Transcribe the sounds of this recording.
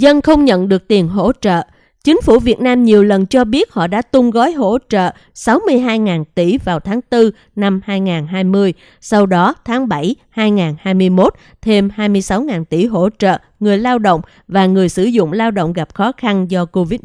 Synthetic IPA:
zə˧nxə˧wŋ͡mɲə̰˧˨nɗɨ˨˩ək̚t̪i˨˩ənɦo̰˧˥t͡ɕə̰ː˧˨ | t͡ɕï˨˦ŋ̟fṵ˧˩vi˨˩ət̚naː˧mɲi˨˩əwlə˨˩nt͡ɕɔ˧ɓi˦˥ət̚hɔ̰˧˨ɗa̰ː˧˥t̪ʊ˧ŋ͡mɣɔ˨˦jɦo̰˧˥t͡ɕə̰ː˧˨ | sa˨˦wmɨ˧əjɦaː˧jŋaː˨˩nt̪i˧˩vaː˨˩wt̪ʰaː˨˦ŋt̪ɨ˧ | na˧mhaː˧jŋaː˨˩nɦaː˧jmɨ˧əj | sa˧wɗɔ˨˦t̪ʰaː˨˦ŋɓa˧˩jhaː˧jŋaː˨˩nhaː˧jmɨ˧əjmo˦˥t̚ | t̪ʰe˧mhaː˧jmɨ˧əjsa˨˦wŋaː˨˩nt̪i˧˩ɦo̰˧˥t͡ɕə̰ː˧˨ | ŋɨ˨˩əjlaː˧wɗo̰˧˨wŋ͡m | vaː˨˩ŋɨ˨˩əjsɨ˧˩zʊ̰˧˨ŋ͡mlaː˧wɗo̰˧˨wŋ͡mɣa˨˩p̚xɔ˨˦xa˧nzɔ˧ko˧vi˦˥t̚

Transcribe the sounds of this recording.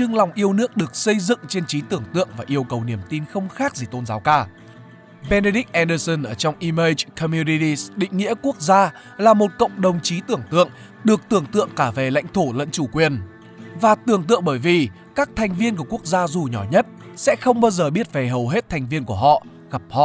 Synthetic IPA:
t͡ɕɨ˧ŋla˨˩wŋ͡mʔi˧əwnɨ˦˥ək̚ɗɨ˨˩ək̚sə˧jzɨ̰˧˨ŋt͡ɕe˧nt͡ɕi˨˦t̪ɨ˧˩əŋt̪ɨ̰˧˨əŋvaː˨˩ʔi˧əwkə˨˩wni˧˩əmt̪i˧nxə˧wŋ͡mxaː˦˥k̚zi˨˩t̪o˧nzaː˨˦wkaː˧ | ɓe˧ne˧ɗi˦˥k̚ʔɛ˧nɗəː˧sə˧nʔəː˧˩t͡ɕɔ˧wŋ͡mʔi˧məː˧t͡ɕkʰɔ˧mju˧ni˧t̪i˧sɗḭ˧˨ŋ̟ŋḭ˧˥əku˦˥ək̚zaː˧ | laː˨˩mo˨˩t̚kə̰˧˨wŋ͡mɗə˨˩wŋ͡mt͡ɕi˨˦t̪ɨ˧˩əŋt̪ɨ̰˧˨əŋ | ɗɨ˨˩ək̚t̪ɨ˧˩əŋt̪ɨ̰˧˨əŋkaː˧˩ve˨˩la̰˧˥jŋ̟t̪ʰo˧˩lə̰˧˥nt͡ɕu˧˩kwi˨˩ən | vaː˨˩t̪ɨ˨˩əŋt̪ɨ̰˧˨əŋɓəː˧˩jvi˨˩ | kaː˦˥k̚t̪ʰɛ˨˩jŋ̟vi˧ənk̬u˧˩əku˦˥ək̚zaː˧zu˨˩ɲɔ˧˩ɲə˦˥t̚sɛ̰˧˥xə˧wŋ͡mɓaː˧wzəː˨˩ɓi˦˥ət̚ve˨˩ɦə˨˩wɦe˦˥t̚t̪ʰɛ˨˩jŋ̟vi˧ənku˧˩əɦɔ̰˧˨ʔ | ɣa˨˩p̚hɔ̰˧˨ʔ

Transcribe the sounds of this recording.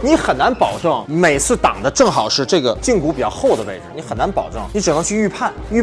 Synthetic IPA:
ni˧˥xə˨˩na˧˥npɑ˨˩ʊʈ͡ʂɤ˥˩ŋme˨˩ɪt͡sʰɹ̩˥˩t̪ɑ̰˨˩ŋd̪ə˦ʈ͡ʂɤ˥˩ŋxɑ˨˩ʊʂɻ̩˥˧ʈ͡ʂɤ˥˩ɡə˩t͡ɕi˥˧ŋku˧˥pi˨˩t͡ɕjɑ˥˧xo˥˩ʊd̪ə˩ʋe˥˩ɪʈ͡ʂɻ̩˧˥˩ni˧˥xə˨˩na˧˥npɑ̰˨˩ʊʈ͡ʂɤ˥˩ŋni˧˥ʈ͡ʂɻ̩˨˩nɤ˥˧ŋt͡ɕʰy˥˧y˥˧pʰa˥˩ny˥˧

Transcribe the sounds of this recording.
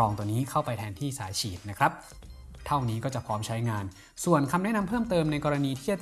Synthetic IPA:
ɔː˧ŋt̪u˧əniː˦˥kʰa˥˩wpa˧jt̪ʰɛː˧nt̪ʰiː˥˩saː˩˦jt͡ɕʰiː˨˩t̪̚na˦˥kʰɾa˦˥p̚ | t̪ʰa˥˩wniː˦˥kɔː˥˩t͡ɕa˨˩pʰɔː˦˥mt͡ɕʰa˦˥jŋaː˧n | su˨˩ənkʰa˧mnɛ˥na˧mpʰɤː˥˩mt̪ɤː˧mna˧jkɔː˧ɾa˧niː˧t̪ʰiː˥˩a˨˩t͡ɕ

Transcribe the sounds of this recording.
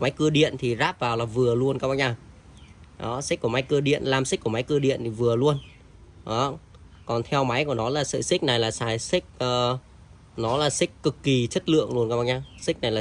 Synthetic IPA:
ma˨˦jkɨ˧əɗḭ˧˨ənt̪ʰi˨˩zaː˦˥p̚vaː˨˩wlaː˨˩vɨ˨˩əlu˧ənkaː˦˥ɓaː˧ɲaː˧ | ɗɔ̰˨˦si˦˥kːu˧˩əma˨˦jkɨ˧əɗḭ˧˨ənlaː˧˩ms̟̚ku˧˩əma˨˦jkɨ˧əɗḭ˧˨ənt̪ʰi˨˩vɨ˨˩əlu˧ən | ɗɔ˨˦ | kɔ˨˩nt̪ʰɛ˧wma˨˦jku˧˩ənɔ˨˦laː˨˩sɨ̰˧˨sï˦˥k̟̚na˨˩jlaː˨˩saː˧˩jsï˦˥k̚ː | nɔ˨˦laː˨˩sï˦˥k̚kɨ˨˩kːi˨˩t͡ɕə˦˥t̚lɨ̰˧˨əŋlu˧ənkaː˦˥ɓaː˧ɲaː˧sï˦˥k̟̚na˨˩jlaː˨

